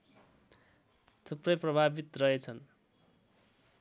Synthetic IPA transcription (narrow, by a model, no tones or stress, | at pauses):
t̪ʰuprʌjprʌbʱabit̪rʌɦet͡sʰʌn